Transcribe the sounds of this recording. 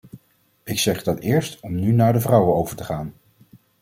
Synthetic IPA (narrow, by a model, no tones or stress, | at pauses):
ɪksɛχdɑtɪːɹstɔmnynaːɹdəvrʌwəowvəɹtəχaːn